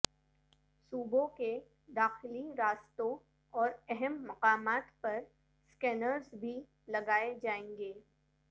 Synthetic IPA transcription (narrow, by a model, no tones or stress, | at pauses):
suːbõke | d̪aːxɪliɾaːst̪õ | ɔːɾɛɦɛmːɐqaːmaːt̪pɐɾ | skɛːnəɾzbʱi | lɐɡaːed͡ʒaːẽːŋɡeː